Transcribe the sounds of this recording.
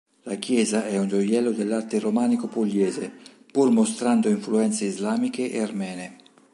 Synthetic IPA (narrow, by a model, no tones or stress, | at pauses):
lak̟jɛːzaʔɛund͡ʒojɛlːod̪elːart̪eromaːnikopolːɛːze | purmost̪ɾand̪oiɱfluɛnt̪seizlaːmikeʔḛarmɛːne